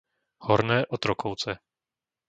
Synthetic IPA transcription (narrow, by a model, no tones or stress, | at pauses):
hɔɾnɛːʔɔt̪ɾɔkʰowt͡sɛ